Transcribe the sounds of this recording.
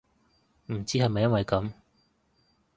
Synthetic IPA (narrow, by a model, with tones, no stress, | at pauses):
m̩˨˩t͡siː˥hɐ˨jmɐ˨jːɐ˥nwɐ˨jkɐ˨˥m